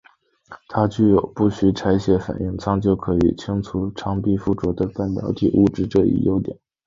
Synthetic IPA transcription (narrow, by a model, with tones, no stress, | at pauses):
t̪ʰa˥t͡ɕy˥˩jo˨˩ʊpu˥˩ɕy˧˥ʈ͡ʂʰa˧˥ɪɕjɛ˧˥fa̰˨˩nʔi˥˩ŋt͡sʰɑ˥ŋt͡ɕjo˥˩ʊkʰɤ˧˥ḭ˨˩t͡ɕʰi˥ŋt͡sʰu˧˥ʈ͡ʂʰɑ˥ŋpi˥˧fu˥˩t͡swɔ˧˥d̪ə˧pa˥˩np̪jɑ̰˧˥ʊt̪ʰi˨˩ʔṵ˥˧ʈ͡ʂɻ̩˥ʈ͡ʂɤ˥˧ḭ˥˩jo˧˥ʊt̪jɛ̰˨˩˦n